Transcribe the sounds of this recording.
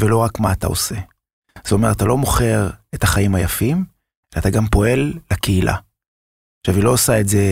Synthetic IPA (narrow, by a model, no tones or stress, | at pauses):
velo̞ʁakmaːt̪a̰o̞̰se̞ | z̥eo̞me̞ʁat̪alo̞mo̞χe̞ʁetaχaimajafim | elat̪aɡampo̞e̞lːakeilʔa̰ | ʃavilo̞osaetze̞